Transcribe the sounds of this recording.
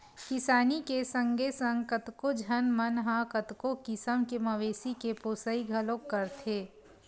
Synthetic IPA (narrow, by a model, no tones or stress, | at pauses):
kɪsaːnikesɐ̃ŋɡʱesə̃ŋɡ̚kɐt̪kod͡ʒʱənmɐnɦãkət̪kokɪsəmkemɐʋeːsikepoːsəiɡʱɐlokːɐɾt̪ʰeː